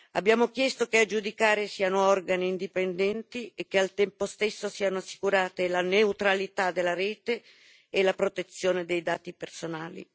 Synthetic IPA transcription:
a̰bːjaːmokjɛst̪okead͡ʒud̪ikaːɾesiːanoɔrɡaniːnd̪ipend̪ɛnt̪iek̟ːealt̪ɛmpost̪esːosiːanoasːi̥kuɾaːt̪elaneut̪ɾalit̪ad̪elːaɾɛːt̪eː | lapɾot̪et̪sːjoːned̪ejd̪aːt̪ipersonaːlḭ

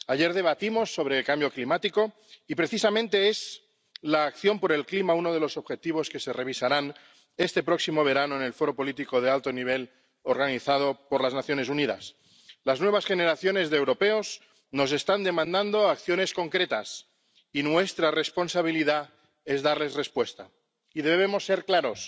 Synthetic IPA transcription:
aʝe̞ɾðe̞β̞at̪imo̞sːo̞β̞ɾe̞ːlkambjo̞klimat̪iko̞ | ipɾe̞θisamẽ̞nt̪e̞ez | laːkθjo̞mpo̞ɾe̞lklimaunoð̞e̞lo̞so̞βxe̞t̪iβ̞o̞ske̞se̞re̞β̞isaɾan | e̞st̪e̞pɾo̞ksimo̞β̞e̞ɾanoene̞lfo̞ɾo̞po̞lit̪iko̞ð̞ealt̪o̞niβ̞e̞l | oɾɣaniθað̞o̞poɾlaznaθjo̞ne̞s̬uniða̰s | laznwe̞β̞asxe̞ne̞ɾaθjo̞ne̞zðeːwɾo̞pe̞oz | no̞s̬e̞st̪and̪e̞mãnd̪and̪o̞akθjo̞ne̞sko̞ŋkɾe̞t̪as | inwe̞st̪ɾare̞spo̞nsaβ̞iliða | ezðaɾle̞sre̞spwe̞st̪a | iðe̞βeβ̞e̞mo̞sːe̞ɾklaɾo̞s

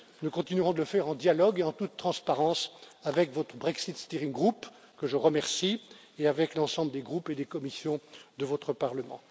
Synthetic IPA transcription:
nukɔ̃t̪inyʁɔ̃d̪ələfɛʁɑ̃d̪jalɔɡeɑ̃t̪ut̪ːχɑ̃spaʁɑ̃savɛkvɔt̪χəbʁɛksit̪st̪iʁĩŋɡʁup | kəʒəʁəmɛʁsi | eavɛklɑ̃sɑ̃bləd̪eɡʁuped̪ekɔmisjɔ̃d̪əvɔt̪χəpaʁləmɑ̰̃

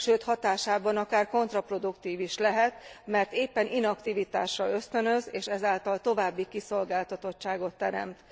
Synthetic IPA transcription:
ʃøːt̪hɒt̪aːʃaːbɒnɒkaːrko̞nt̪rɒpro̞d̪ukt̪iːviʃlɛɦɛt̪mɛrt̪eːpːɛnʔinɒkt̪ivit̪a̰ːʃrɒø̞st̪ø̞nø̞zeːʃɛzaːlt̪ɒlt̪o̞vaːbːikiso̞lɡaːlt̪ɒt̪o̞t͡ʃt͡ʃːaːɡo̞t̪ːɛɾɛ̰mt̪

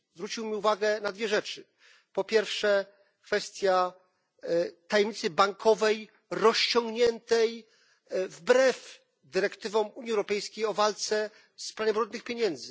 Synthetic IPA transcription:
zvɾut͡ɕiwmʲiuvaɡɛnad̪vʲjɛʐɛt͡ʂɘ | pɔpʲjɛɾfʂɛ | kfɛst̪ʲja | t̪ajɛmɲit̪sɘbaŋkʰɔvɛj | ɾɔɕt͡ɕɔŋɡɲɛnt̪ɛj | vbɾɛf | d̪ɘɾɛkt̪ɘvɔ̃muɲiɛwɾɔpɛjskʲejɔvalt̪sɛ | spɾavʲɛbɾɔnd̪nɘxpʲjeɲɛnd̪zɘ

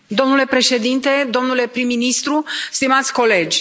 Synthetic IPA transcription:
d̪o̞mnule̞pɾe̞ʃe̞d̪int̪e̞d̪o̞mnule̞pɾimːinist̪ɾust̪imat̪sʲko̞le̞d͡ʒʲ

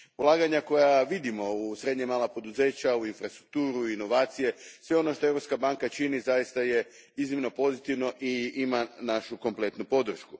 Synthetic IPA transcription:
ulˠaːɡaɲako̞jaʋid̪imo̞usɾe̞d̪ɲemaːlapo̞d̪uze̞ːt͡ɕauinfɾast̪ɾuk̚t̪uːɾuino̞ʋaːt̪sije̞sʋe̞o̞no̞ʃt̪o̞eɾo̞pskabaŋkat͡ʃinizajist̪aje̞ | iznimno̞po̞zit̪iʋno̞ʔiimanaʃuko̞mple̞t̪nupo̞d̪r̩ʃku

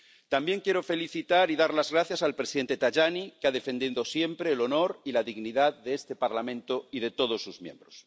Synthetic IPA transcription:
t̪ambje̞ŋkjeɾo̞fe̞liθit̪aɾiðaɾlazɣɾaθjasalpɾesiðe̞nt̪e̞t̪aʝanikeaðe̞fe̞nd̪jend̪o̞sje̞mpɾe̞ːlo̞no̞ɾilaðiɣniðaððeest̪e̞paɾlamẽnt̪oiðe̞t̪o̞ð̞o̞sːuzmjẽ̞̰mbɾos

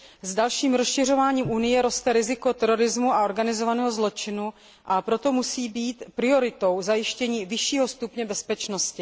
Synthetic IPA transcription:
zdalʃiːmɾo̞sʃɪr̝o̞vaːɲiːmʔunɪjɛɾo̞st̪ɛɾɪzɪko̞t̪ɛɾo̞ɾɪzmuʔao̞ɾɡanɪzovanɛːɦo̞zlo̞t͡ʃɪnu | ʔapɾo̞t̪o̞musiːbiːt̪pɾɪo̞ɾɪt̪o̞wzajɪʃcɛɲiːvɪʃiːɦo̞st̪upɲɛbɛspɛt͡ʃno̞scɪ

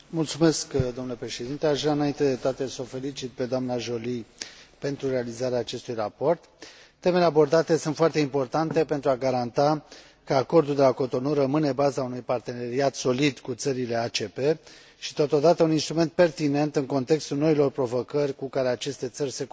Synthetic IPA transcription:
mult̪sume̞skd̪omnlepɾe̞ʃe̞d̪int̪eaʃvɾaɨnaint̪e̞d̪e̞t̪oat̪e̞so̞fe̞lit͡ʃit̪̚pe̞d̪oamnaʒo̞lipe̞nt̪ɾure̞alizaɾeaːt͡ʃe̞st̪ujrapo̞rt̪ː | e̞me̞le̞abo̞rd̪at̪e̞sunt̪foart̪eimpo̞rt̪ant̪e̞pent̪ɾuaɡaɾant̪a | kəako̞rd̪uld̪e̞lako̞t̪o̞nurəmɨne̞bazaunujpart̪e̞ne̞ɾiat̪so̞lid̪kut̪səɾile̞at͡ʃe̞pe̞ | ʃi̥t̪ot̪o̞d̪at̪əuninst̪ɾume̞nt̪̚pe̞rt̪ine̞nt̪ɨŋko̞nt̪e̞kst̪ulno̞ilo̞rpɾo̞vo̞kərʲkukaɾe̞at͡ʃe̞st̪e̞t̪sərʲse̞k

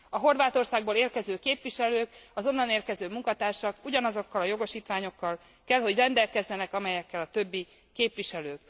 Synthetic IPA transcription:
ɒɦo̞rvaːt̪o̞rsaːɡ̚boːleːrkɛzøːkeːpʋiʃɛløːkɒzo̞nːɒneːrkɛzøːmuŋkɒt̪aːrʃɒkuɟɒnɒzo̞kːɒlɒjo̞ɡo̞ʃiːt̪ʋaːɲo̞kːɒl | kɛlɦo̞ɟrɛnd̪ɛlkɛzːɛnɛkɒmɛjɛkːɛlɒt̪ø̞bːi | keːpʋiʃɛløːk

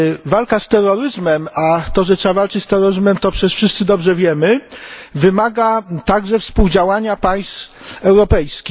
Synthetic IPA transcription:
valkast̪ɛrːɔɾɘzmɛmat̪ɔʐɛtʂɛavalt͡ʂɘt͡ɕst̪ɛɾːɔɾɘzmɛmt̪ɔpʂɛsfʂɘst̪sɘd̪ɔbʐɛvʲjɛmɘvɘmaɡat̪aɡʐɛfspuwd͡ʑawaɲapaj̃st̪fɛwɾɔpɛjskʲi

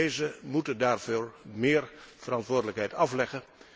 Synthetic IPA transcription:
ejzəmutəndaːɹvoːɹmɪːɹv̥ərɑntʋʊːɹrdələkɦɛjtɑflɛχə

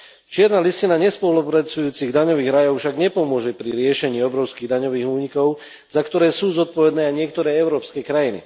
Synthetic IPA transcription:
t͡ʃɪɛɾnaːliscinaɲɛspɔlupɾat͡sujuːt͡siɣd̪aɲɔʋiːɣɾajɔʊfʃaɡɲɛpɔmʊɔʒɛpɾiɾɪɛʃɛɲiːɔbɾɔʊskiːɣd̪aɲɔʋiːɣuːɲikɔʊ | zakt̪ɔɾɛːsuːzɔt̪̚pɔʋɛd̪nɛːaɲɪɛkt̪ɔɾɛːɛʊɾɔːpskɛːkɾajinḭ

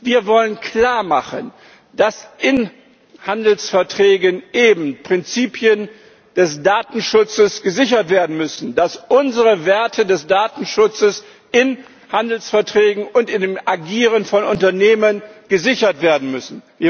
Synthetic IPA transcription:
viːɐvɔlənkʰl̥aːɐmaχən | d̥asʔɪn | handl̩sfɛɐtʁ̥ɛːɡənʔeːbm̩pʁ̥ɪnt͡siːpʰjən | d̥ɛsd̥aːtn̩ʃʊt͡səsɡ̥əzɪçɐtv̥eːɐdn̩mʏsn̩dasʔʊnzəʁəveːɐtʰədɛsd̥aːtn̩ʃʊt͡səs | ɪn | handl̩sfɛɐtʁ̥ɛːɡŋ̩ʊntɪndemʔaɡiːʁənfɔnʊntɐneːmənɡ̥əzɪçɐtv̥eːɐdn̩mʏsn̩viːɐ

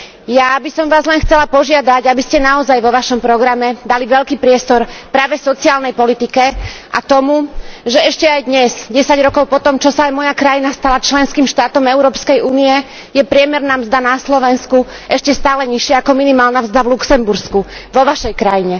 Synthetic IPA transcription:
jabisɔmʋaːzlɛnxt͡sɛlapɔʒɪad̪aɟabiscɛnaɔzajʋɔʋaʃɔmpɾɔɡɾamɛd̪aliʋɛʎkiːpɾɪɛst̪ɔɾpɾaːʋɛsɔt͡siaːlnɛjpɔlit̪ikɛʔa̰t̪ɔmuʒɛɛʃcɛajd̪ɲɛzɟɛsaɟɾɔkɔʊpɔt̪ɔmt͡ʃɔsaːjmɔjakɾajinast̪alat͡ʃlɛnskiːmʃt̪aːt̪ɔmɛʊɾɔːpskɛjuːniɛ | jɛpɾɪɛmɛɾnaːmzd̪anaslɔʋɛnsku | ʔɛʃcɛst̪aːlɛɲiʃɪɛakɔminimaːlnamzd̪avluksɛmbuɾskuʋɔʋaʃɛjkɾajiɲɛ

